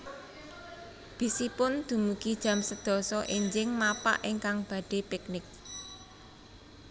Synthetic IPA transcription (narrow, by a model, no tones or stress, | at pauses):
b̥i̤sipʊnd̪̥ṳmukid̥ʒ̥ä̤msəd̪̥ɔ̤sɔʔiɲd͡ʒɪŋmapa̰ʔɪŋkaŋb̥ä̤ɖ̥e̤pɪk̚nɪk̚